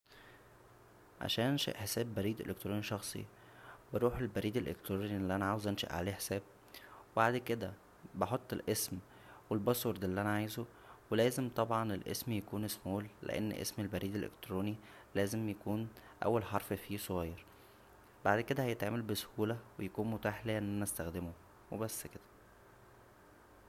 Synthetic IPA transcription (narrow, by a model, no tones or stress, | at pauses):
ʕa̰ʃæːnænʃæ̰ʔħesæːbːæɾiːd̪ʔḛlek̚t̪ɾuːniʃɑxsˤḭ | beɾuːħelbæɾiːd̪ælʔḛk̚t̪ɾuːniʔlːiʔænæʕaːwezʔænʃæ̰ʔʕa̰leːħe̥sæːb̚ | webaʕd̪ked̪æ | beħot̪ˤːelʔesm | welbɑsˤuɾd̪ælːiʔænæʕajzo | welæːzemt̪ˤɑbʕɑnelʔḛsmjækuːnesmuːlːḛʔḛn̰ːʔḛsmelbæɾiːd̪elʔḛkt̪ɾoːni | læːzemjækuːnʔæ̰wːælħɑɾˤffiːsˤoɣɑjɑɾˤ | baʕd̪ked̪æhæjet̪ʕaːmælbeso̥huːlæwejækuːnmot̪aːħlæːʔenʔænæʔæst̪æxd̪emo | webæsːked̪̥æ̥